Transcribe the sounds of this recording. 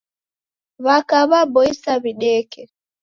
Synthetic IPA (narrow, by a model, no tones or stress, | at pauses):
βakaβabɔisaβiɗɛkɛ